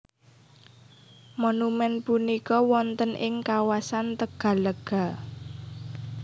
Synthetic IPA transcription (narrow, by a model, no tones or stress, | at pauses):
monumɛnpunikɔwɔnt̪ənʔɪŋkawasant̪əɡ̥ä̤ləɡ̥a̤